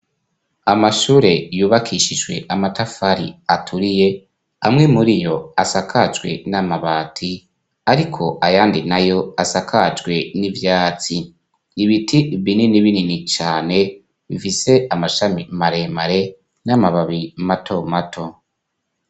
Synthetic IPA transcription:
amaʃuːɾe̞juːβakʰiʃid͡ʒɡwe̞̰ʔamatafaɾḭatʰuɾije̞ | amŋe̞muɾijo̞asakʰad͡ʒɡwe̞̰namaβaːtʰi | aɾikʰo̞ʔajaːndinajo̞asakʰad͡ʒɡwe̞nivjaːt͡si | iβitʰiβininiβininit͡ʃaːne̞ | βifise̞amaʃamimaɾe̞maɾe̞ | namaβaβimatʰo̞matʰo̞

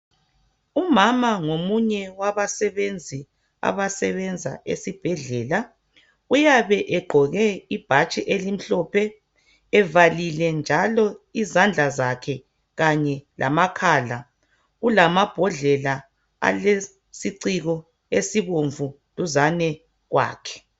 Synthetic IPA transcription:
umamaŋomuɲɛwaβasɛβend͡zʱi | a̰βasɛβɛnd͡zʱa̰ʔḛsib̥ʱɛɮɛːla | ujaβɛʔɛɡ͡ǃʱɔɣɛib̥ʱat͡ʃʼiʔelim̩ɬɔpʰɛ | ɛvalilɛnd͡ʒʱalɔizand͡ɮʱazakʰɛ | ɣaɲɛlʔa̰makʰaːla | ulamab̥ʱɔɮɛla | a̰le | siǀiɣɔ | esiβoɱvʱu | luzanɛ | ɣwa̰ːkʰɛ̥

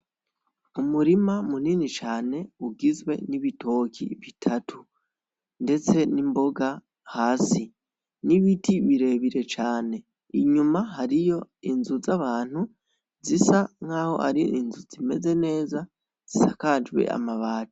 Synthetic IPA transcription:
umuɾimamuninit͡ʃaːne̞uɡizwe̞̰niβitʰo̞ːkʰḭβitʰatʰu | nde̞t͡se̞nimbo̞ɡa | haːsi | niβitʰiβiɾe̞βiɾe̞t͡ʃaːne̞ | iɲumaɦaɾijo̞inzuzaβaːn̥hu | zisaŋ̥aːho̞̰ʔa̰ɾiinzuzime̞ze̞ne̞ːza | z̥isakad͡ʒwe̞̰ʔa̰maβaːto̥

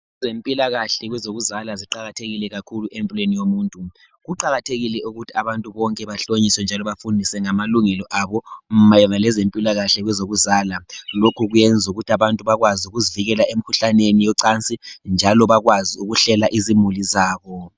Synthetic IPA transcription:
ɛzempʼilaɣaɬɛɣwɛzoɣuzalaziǃaɣatʰeɣilɛɣakʰuluʔempʼilwenijomuːntʼu | ɣuǃaɣatʰeɣilɛʔuɣutʰiaβantʼuβɔŋkʼɛβaɬoɲiswɛnd͡ʒʱalɔβafundʱisɛŋamaluŋɛlɔʔaβɔm̩majɔnalɛzempʼilaɣaɬɛɣwɛzoɣuzaːlalokʰuɣujɛnd͡zʱuɣutʰiaβantʼuβaɣwaziuɣuziviɣɛlaʔemikʰuɬanenijɔǀant͡sʼind͡ʒʱalɔβaɣwaziuɣuɬɛlaʔizimulizaːβɔ

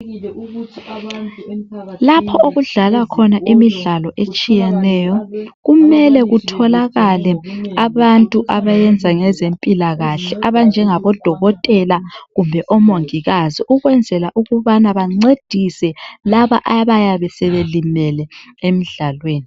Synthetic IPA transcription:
lapʰɔʔoɣuɮalakʰɔnaʔimiɮalɔʔet͡ʃʼijɛnɛːjɔɣumɛlɛɣutʰɔlaɣalɛaβantʼuʔaβajɛnd͡zʱaŋɛzempʼilaɣaɬɛʔaβand͡ʒʱɛŋaβɔd̥ʱɔɣɔtʼɛlaɣumbʱɛʔɔmoŋiɣaziʔuɣwɛnd͡zʱɛlaʔuɣuβanaβaŋ͡ǀed̥ʱisɛlaβaʔaβajaβɛsɛβelimɛlɛemiɮalweːni

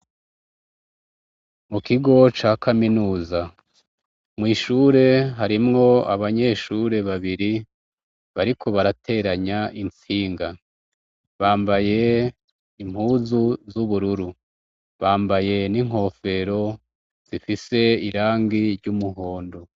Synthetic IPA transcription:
mukiɡo̞t͡ʃaːkʰaminuːza | mŋiːʃuɾe̞ɦaɾimŋo̞aβaɲe̞ʃuɾe̞βaβiɾi | βaɾikʰo̞βaɾatʰe̞ːɾaɲaʔint͡siːŋɡa | βaːmbaje̞ | im̥huːzuzuβuɾuɾu | βaːmbaje̞niŋ̥o̞ːfe̞ɾo̞ | z̥ifise̞iɾaːŋɡiɾɟumuɦo̞ːndo

